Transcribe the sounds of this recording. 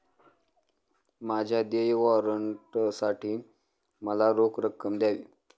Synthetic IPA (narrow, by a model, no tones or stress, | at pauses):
mad͡ʑʱjad̪ejʋɔɾəɳʈsaʈʰiː | məlaɾokɾəkːəmd̪jaʋiː